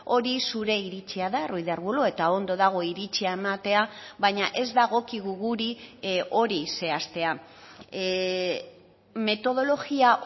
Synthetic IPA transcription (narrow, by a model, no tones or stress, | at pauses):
o̞ɾisuɾe̞iɾit͡ʃiaðarujðeaɾɣuloe̞t̪ao̞nd̪o̞ðaɣ̞o̞iɾit͡ʃiae̞mat̪e̞aβaɲaʔe̞zd̪aɣ̞o̞kiɣuɣuɾiʔo̞ɾise̞ast̪e̞a | me̞t̪o̞ð̞o̞lo̞ɣiaʔ